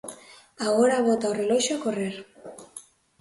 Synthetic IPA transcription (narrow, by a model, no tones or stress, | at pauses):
aɣoɾaβot̪aorelojʃokoreɾ